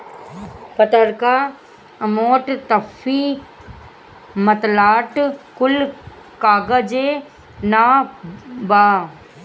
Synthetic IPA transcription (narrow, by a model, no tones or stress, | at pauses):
pɐt̪əɾka | ɐmoːʈt̪ɐfi | mət̪laːʈkʊl | kaːɡəd͡ʒeː | naː | baː